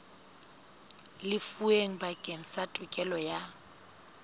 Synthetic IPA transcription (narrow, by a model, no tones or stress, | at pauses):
lɪfueŋ̩bakʼeŋ̩satʼʊkʼɛlɔja